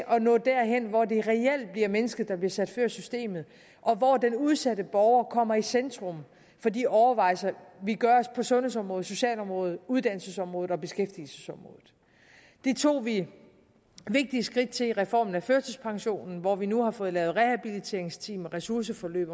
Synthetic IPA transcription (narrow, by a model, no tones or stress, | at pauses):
ʔɒ̽nɔ̰̽ːd̥æɐɦen̰ʋɒde̝ʁɛel̰d̥̚b̥liɐmenəsɡ̥ð̩ˠd̥ɑ̈b̥liɐsæd̥føɐ̰sysd̥e̝̰ːmð̞̩ˠ | ʔɒ̽ʋɒd̥enuð̞ˠsædəb̥ɒʊɐkʰɒ̽m̰ɐisend̥ʁɔ̽m | fɒ̽d̥ḭːɒʊɐʋɑ̈ɪ̰sɐʋiɡ̥ɶɐɒ̽spʰɒ̽sɔ̽nhes̬ɒ̽mʁɔ̽ːð̩ˠso̝ɕɛ̰ːlɒ̽mʁɔ̽ːð̞̩ˠuðˠd̥æn̰l̩səsɒ̽mʁɔ̽ːð̩ˠɒ̽b̥e̝sɡ̥efd̥il̩səsɒ̽mʁɔ̰̽ːð̩ˠ | d̥e̝t͡sʰo̝̰ːʋi | ʋe̝ɡ̥̚d̥iəsɡ̥ʁid̥̚t͡sʰe̝liʁɛfɒ̰ːmn̩æføɐsəspʰɑ̈ŋɕo̝̰ːnn̩ʋɒʋinuhɑ̈fɔ̽ːð̞̩ˠlɛ̰ːʊð̩ˠʁɛhæb̥ilit͡sʰe̝ɐeŋst͡sʰḭːmɒʁɛsuɐs̬əfɒ̽lø̰ːb̥ɐ